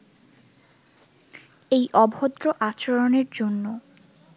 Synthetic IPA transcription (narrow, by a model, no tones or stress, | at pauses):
ejʔɔbʱod̪ɾoʔat͡ɕoɾoneɾd͡ʑonːo